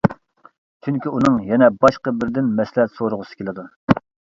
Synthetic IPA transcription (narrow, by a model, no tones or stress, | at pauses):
t͡ʃʰyŋkʲiunɨŋjɛnɛbɑʃqəbɪɾd̪ɪnmɛslhɛt̪soɾʊʁʊsɨ̥kʲelɪd̪u